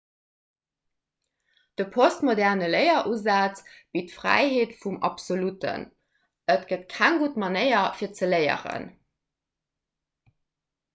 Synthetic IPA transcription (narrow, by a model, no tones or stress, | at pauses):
d̥əpʰostmodɛʁnələɪɐʔuzaːt͡sb̥itfʁæ̰ɪheːtfumɑ̰pz̥olutə̰n | ətɡ̥ətkʰæŋɡutmɑnəɪɐfiːɐt͡səlɜɪə̰ʁə̰n